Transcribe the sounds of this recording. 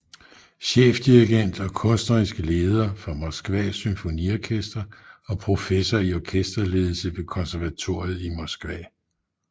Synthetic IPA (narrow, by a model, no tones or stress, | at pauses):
ɕḛːfd̥iʁiɡ̥en̰d̥ɒ̽kʰɔ̽nsd̥ɐʁisɡ̥əle̝ːð̞ˠɐfɒmɒ̽sɡ̥ʋɛ̰ːsymfo̝nḭɒkʰesd̥ɐɒ̽pʰʁo̝fesɒiɒkʰesd̥ʁɐle̝ːð̞ˠl̩səʋe̝kʰɒ̽nsæɐʋæt͡sʰo̝ɐ̰jð̩ˠimɒsɡ̥ʋɛ̰ː